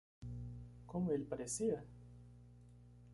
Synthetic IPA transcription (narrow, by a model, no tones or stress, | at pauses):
kõmʊelpaɾesiɐ